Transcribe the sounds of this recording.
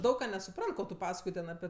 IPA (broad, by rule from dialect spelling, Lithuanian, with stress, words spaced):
ˈdɐʊk kɑː nʲɛsʊˈprɐnt ˈkoː tʊ ˈpɑːskoːj ˈtʲɛn ɐˈpʲɪ